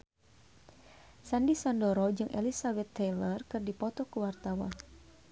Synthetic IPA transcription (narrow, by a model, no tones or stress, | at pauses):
sandisandɔɾɔd͡ʒɨŋʔḛlisabɛt̪ːɛlərkɨrdipɔt̪ɔkəwart̪awa̰